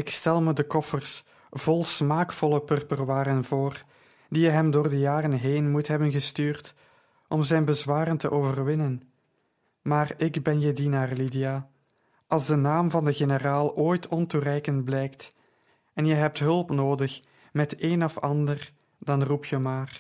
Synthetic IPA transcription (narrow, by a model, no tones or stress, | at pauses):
ɪkstɛlˠmədəkɔfərs | v̥ɔlˠsmaːkfɔlˠəpɵrpərwaːɾənvoːr | d̥ijəɦɛmdoːrdəjaːrənɦeːnmutɦɛbənɣəstyːrt | ʔɔmzɛjnbəzwaːɾəntəʔoːvərʋɪnən | maːrɪɡbɛnjədinaːrlidia | ɑlˠzdənaːmvɑndəɣenəraːlˠoːjtʰɔnturɛjkənt̚blɛjkt | ɛnjəɦɛp̚tɦɵlˠpnoːdəx | mɛteːnɔfɑndər | dɑnrupjəmaːr